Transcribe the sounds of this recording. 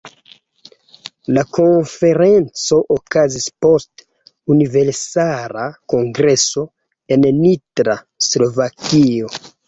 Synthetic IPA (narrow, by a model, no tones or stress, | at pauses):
lako̞nfe̞ɾe̞nt͡so̞ʔokazispo̞st | unive̞ɾsalako̞ŋɡɾe̞so̞ | e̞nnitɾa | slo̞vakio̞